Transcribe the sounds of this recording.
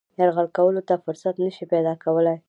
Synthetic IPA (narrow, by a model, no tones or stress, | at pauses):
jɑɾɣalkawəlot̪afʊɾsat̪nəʃipad̪ɑkawəlaj